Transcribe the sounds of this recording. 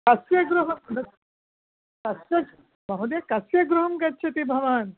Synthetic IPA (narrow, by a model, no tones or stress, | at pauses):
kɐsʋjɐɡɾuɦɐmnɐ | kɐsʋjɐɡ | mɐɦud̪jɐkɐsjɐɡɾuɦɐmkɐtːt͡ʃʰɐt̪ibʱɐʋaːn